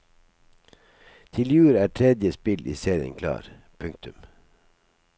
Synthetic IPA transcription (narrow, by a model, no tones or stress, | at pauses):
t̪ʰɪljʉːɾæːʈʰɾɛd̪jəspɪlʔḭːseːɾɪə̰ŋkʰlɑ̰ːɾ | pʰʉŋk̚t̪ʉm